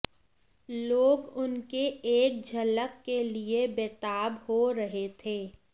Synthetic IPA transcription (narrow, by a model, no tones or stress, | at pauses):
loːɡʊnkeeːk̚d͡ʒʱɐləkːeliebeːt̪aːbhoɾəɦet̪ʰeː